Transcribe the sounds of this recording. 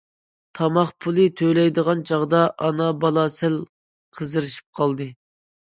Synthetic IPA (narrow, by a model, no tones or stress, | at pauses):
t̪ʰɑmɑχpʰulˠɨt̪ʰøjlɛjd̪əʁɑnt͡ʃʰɑʁd̪ɑʔɑnɑbɑlˠɑsæl | qʰəzɨɾɨʃi̥p̚qʰɑlˠd̪ɨ